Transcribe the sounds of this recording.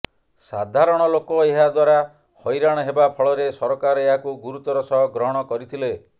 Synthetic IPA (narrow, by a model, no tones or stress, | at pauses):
sad̪ʱaɾɔɽ̃ɔlokɔeɦad̪waɾa | hɔjɾaɽ̃ɔɦebapʰɔɭɔɾesɔɾɔkaɾɔeɦakuɡuɾut̪ɔɾɔsɔɦɔɡɾɔɦɔɽ̃ɔkɔɾit̪ʰile